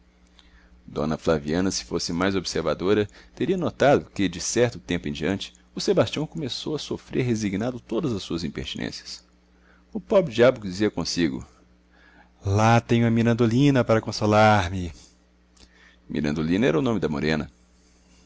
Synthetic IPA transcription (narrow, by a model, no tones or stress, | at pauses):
d̪õ̰nɐflaviɐ̃nɐsɪ̥fosɪmajzobɪseɾva̰d̪oɾɐt̪eɾiɐnot̪ad̪ʊkɪd͡ʒɪsɛɾt̪ʊt̪ẽmpʊẽd͡ʒiɐ̃nt͡ʃɪ̥ | ʊsebast͡ʃiɐ̃w̃kõmesowɐsofɾeɾɦeziɡnad̪ʊt̪od̪ɐzɐsːuɐzĩmpḛɾt͡ʃinḛ̃siɐ̥s | ʊpɔbɾɪd͡ʒiabʊkd͡ʒiziɐkõsiɡʊ̰ | lat̪ẽɲʊ̃ɐmiɾɐ̃nd̪olĩnɐpaɾɐkõsolaɾmɪ | mḭɾɐ̃d̪olĩnɐɛɾɐʊnõmɪd̪ɐmo̰ɾẽnɐ